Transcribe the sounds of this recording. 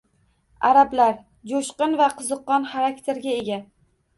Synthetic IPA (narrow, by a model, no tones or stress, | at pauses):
aɾablaɾ | d͡ʒoʃqɨnvaqʰɨzɨqːɒnχaɾakʲt̪ʰe̞ɾɡʲae̞ɡʲa